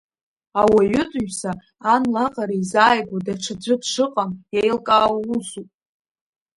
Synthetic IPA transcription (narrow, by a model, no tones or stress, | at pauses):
awaɥʏtʼɥsaː | nlaqʼaɾaizaːjɡʷadaʈ͡ʂʷʰad͡zʷɪdʂɨqʼamjajlkʼaːwusupʼ